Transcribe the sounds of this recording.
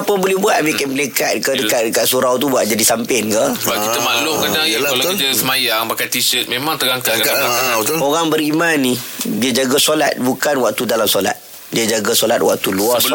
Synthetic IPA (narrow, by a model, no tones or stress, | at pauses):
apəbolɛhbuat̪̚mekɪnməlekat̪̚kədəkaʔ̚dəkaʔsuɾawt̪ubuaʔ̚d͡ʒadisampɪnkabaəmalʊkadaŋalaalt̪uəsəmajaŋmakajt̪isət̪̚mẽmaŋt̪əɡaŋkaaaawt̪uoɣaŋbəɾimanːidiəd͡ʒaɡasola̰t̪̚bukanwak̚t̪udalamsola̰t̪ | diad͡ʒaɡasolat̪̚wa̰k̚t̪uluas